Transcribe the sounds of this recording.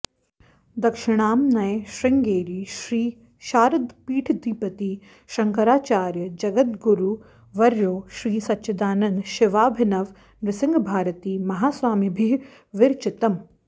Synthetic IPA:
d̪ɐkʃɪɽ̃aːmnɐjʃɾɪŋɡeːɾiːʃɾiː | ʃaːɾɐd̪piːʈʰd̪iːpɐt̪iː | ʃɐŋkɐɾaːt͡ʃaːɾjəd͡ʒɐɡət̪ɡuɾu | ʋɐɾjoːʃɾiːsɐtːʃʰɐd̪aːnɐnd̪ʃɪʋaːbʱɪnɐʋ | nɾɪsɪ̃ŋɡbʱaːɾət̪iːmɐɦaːswaːmibʱiːɾ | ʋɪɾt͡ʃɪt̪ɐm

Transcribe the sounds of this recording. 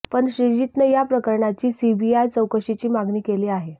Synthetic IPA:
pəɳɕɾid͡ʑit̪nəjapɾəkəɾɳat͡ɕiːsibiajt͡səwkəɕit͡ɕiːmaɡniːkeliːaɦe

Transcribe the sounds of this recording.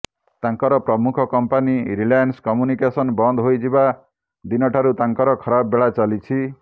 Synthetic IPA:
t̪aŋkɔɾɔpɾɔmukʰɔkɔmpaniɾilajanskɔmjunikesɔnbɔnd̪ɦojd͡ʒiba | d̪inɔʈʰaɾut̪aŋkɔɾɔkʰɔɾabɔbeɭat͡ʃalit͡ʃʰi

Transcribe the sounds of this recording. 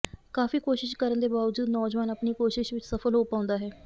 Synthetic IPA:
kaːfiːkoːʃɪʃkəɾənd̪eːbaːʋəd͡ʒuːd̪nɔːd͡ʒʋaːnəpniːkoːʃɪʃʋɪt͡ʃsəfʰəlɦoːpaːʊ̃nd̪aːɦɛː

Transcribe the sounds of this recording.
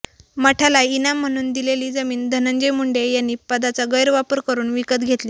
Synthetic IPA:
məʈʰalainam̤ːəɽ̃uːnd̪ileliːd͡zəmiːnd̪ʱənənd͡ʑəjmuɳɖejanːiːpəd̪at͡saɡəjɾʋapəɾkəɾuːnʋikət̪ɡʱet̪liː

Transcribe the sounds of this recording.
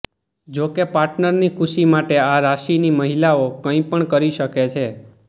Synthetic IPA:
d͡ʒokepaɾʈnəɾnikʰuʃimaʈeaɾaʃiniməɦilaokə̃ĩpəɳkəɾiʃəket͡ʃʰe

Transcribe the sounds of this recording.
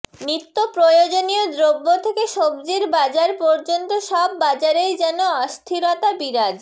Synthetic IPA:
nɾit̪ːopɾojod͡ʑonijod̪ɾobːot̪ʰekeʃobd͡ʑiɾbad͡ʑaɾpɔɾd͡ʑont̪oʃɔbːad͡ʑaɾejd͡ʑɛnoɔst̪ʰiɾot̪abiɾad͡ʑ

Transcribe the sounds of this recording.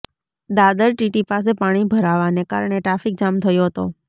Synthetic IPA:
d̪ad̪əlʈiʈipas̬epaɽ̃ibʱəɾaʋaneka̰ɾɳeʈɾafik̚d͡ʒamt̪ʰəjoɦət̪o̰

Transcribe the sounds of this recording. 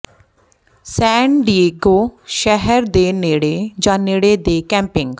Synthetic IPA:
sɛ̃ːɳɖieːɡoːʃɛɦɛɾd̪eːneːɽeːd͡ʒãːneːɽeːd̪eːkɛ̃ːmpɪŋɡ

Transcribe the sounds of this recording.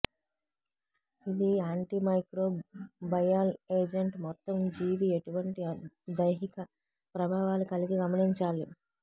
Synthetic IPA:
id̪iaːɳʈimɐjkɾo̞ːbɐjaːleːd͡ʒe̞ɳʈmɔt̪ːɐmd͡ʒiːʋie̞ʈuʋɐɳʈi | d̪ɐjɦikɐ | pɾɐbʱaːʋaːlukɐliɡiɡɐmɐniɲt͡ʃaːli

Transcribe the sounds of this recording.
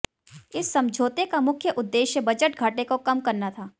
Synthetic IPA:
ɪsːɐ̃md͡ʒʱoːt̪ekamʊkʰjəʔʊd̪ːeːʃjəbɐd͡ʒəʈɡʱaːʈekokɐmkɐɾnat̪ʰaː

